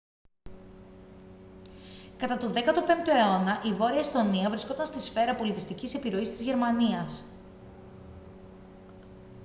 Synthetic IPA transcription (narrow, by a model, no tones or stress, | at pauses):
kɐt̪ɐt̪oðe̞kɐt̪o̞pe̞nt̪oe̞o̞nɐʔivo̞ɾiɐist̪o̞niɐvɾisko̞t̪ɐnst̪isfe̞ɾɐpo̞lit̪ist̪icise̞piɾo̞ist̪izʝe̞ɾmɐniɐs